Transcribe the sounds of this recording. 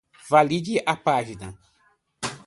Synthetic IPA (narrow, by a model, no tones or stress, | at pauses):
valid͡ʒiʔapaʒinɐ